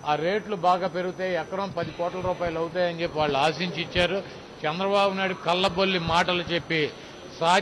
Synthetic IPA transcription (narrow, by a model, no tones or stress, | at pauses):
aːɾe̞ːʈlubaːɡaːpe̞ɾuɡut̪eːɛkːɐɾɐmpɐd̪ikɔːʈlɐɾuːpaːjɐlɐwut̪aːjɐɲt͡ʃe̞pːiʋaːɭːuaːsiɲt͡ʃit͡ʃːaːɾu | t͡ʃɛnd̪ɾɐbaːbunaːjɽukɐlːɐbolːimaːʈɐlut͡ʃe̞pːi | saː